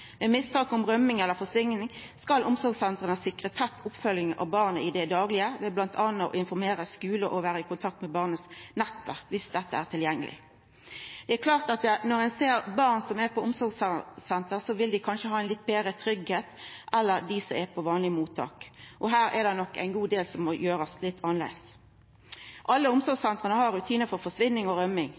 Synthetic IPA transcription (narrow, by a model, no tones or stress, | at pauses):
mɛmɪst̪ʰɑːkʊmʁœmːɪŋɛlːəɾfɔsʋɪŋːnɪŋskɑlʔʊmsɔɾɡsɛnt̪ʁənəsɪkʁət̪ʰːɛt̪ʰːʊpfœljɪŋʔɑ̰ʋbɑʁnəɪd̪ɛd̪ɑːɡlɪəʋɛblɑnt̪ʰɑnːəɔ̰ʔɪnfɔɾmeːɾəskʉːləʔɔʋæːɾəɪkʊnt̪ʰɑk̚t̪mɛbɑʁnəsnɛt̪ːʋæ̰ʁkʋɪsd̪ɛt̪ːəæʁt̪ʰɪljɛŋːəlʔɪ̰ | d̪̥ɛækʰlɑːʁt̪ɑt̪̚d̪ɛnɔɾɛnseːɾbɑʁnsɔmæpʰɔʊmsɔɾɡssɛnt̪əʁsɔʋɪld̪ɪkʰɑnʃəhɑːæɪnɪt̪̚ːbeːɾət̪ʰɾʏɡheːt̪ʔɛlːəɾd̪ɪsɔɛpʰɔʋɑːnlɪmuːt̪ʰːɑ̰ːkʔɔɦæːɾɛ̰d̪ɛnɔkːæ̰ɪnɡuːd̪eːlsɔmːɔjøːɾəslɪt̪ʰːɑnlɛ̰ɪs | ʔɑlːəʊmsɔɾɡsɛnt̪ʁənəhɑɾʉt̪ʰiːnəɾfɔɾfɔʂʋɪnːɪŋɔɾœmːɪŋ